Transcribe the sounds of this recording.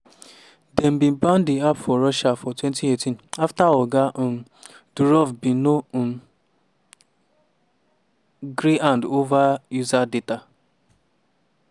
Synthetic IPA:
dɛm̩bim̩ban̩dɪapfɔɾɔʃafɔtwɛntietĩnaftaɔɡa | duɾɔvbino | ɡɾiandovajuzadeta

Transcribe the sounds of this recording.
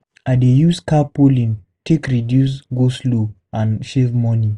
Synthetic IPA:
adejuskapolĩn | tʰekɹidjus̬ɡoslo | ãnʃevmɔni

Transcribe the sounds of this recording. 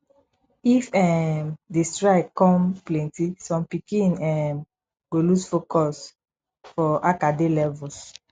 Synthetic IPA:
ifɛmdestɹaɪkɔ̃mplɛ̃ntisɔ̃mpikĩnɛ̃m | ɡolusfokɔs | fɔʔakadelɛvuls

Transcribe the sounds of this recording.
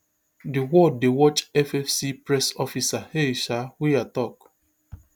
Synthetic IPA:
diwɔdewɔt͡ʃɛfɛfsipɹɛsɔfisaheʃawiatɔk

